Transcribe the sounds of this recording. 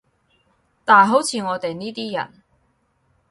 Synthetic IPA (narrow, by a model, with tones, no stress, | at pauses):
t̪aː˨jɦo˨˥wt͡sʰiː˨˧ŋɔː˨˧t̪e˨jniː˥t̪iː˥jɐ̰˨˩n